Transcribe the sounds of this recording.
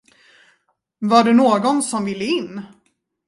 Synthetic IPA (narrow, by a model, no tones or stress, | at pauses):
vaɖɛnoːɡɔnsɔmvɪlːəɪnː